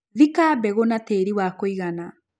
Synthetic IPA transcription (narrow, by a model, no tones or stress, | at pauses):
ðikaːbɛɣonateːɾiwakoiɣana